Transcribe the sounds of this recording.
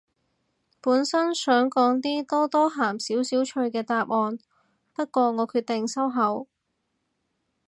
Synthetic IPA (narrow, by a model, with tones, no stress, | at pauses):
puː˨˥nsɐ˥nsœː˨˥ŋkɔː˨˥ŋt̪iː˥t̪ɔː˥t̪ɔː˥ɦaː˨˩msiː˨˥wsiː˨˥wt͡ʃʰɵ˧ɥkɛː˧t̪aː˧p̚ʔɔː˧n | pɐ˥t̚kʷɔː˧ŋɔː˨˧˥kʰyː˧t̚t̪ɪ˨ŋsɐ˥wɦɐ˨˥w